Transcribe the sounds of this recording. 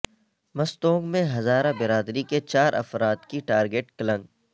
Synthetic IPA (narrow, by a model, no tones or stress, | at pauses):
mɐst̪õːŋɡmẽɦɐzaːɾabɪɾaːd̪ɾiket͡ʃaːɾʔɐ̰fɾaːt̪kiʈaːɾɡeʈkɐlə̃ŋɡ